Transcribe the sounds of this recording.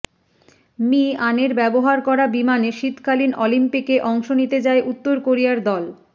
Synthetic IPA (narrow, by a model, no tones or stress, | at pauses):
mianeɾbɛboɦaɾkɔɾabimaneʃit̪kalinʔɔlimpikeʔɔŋʃonit̪ed͡ʑaeʔut̪ːoɾkoɾijaɾd̪ɔl